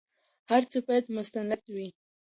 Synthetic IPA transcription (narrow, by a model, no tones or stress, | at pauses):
haɾt͡səbajad̪mʊst̪anad̪wi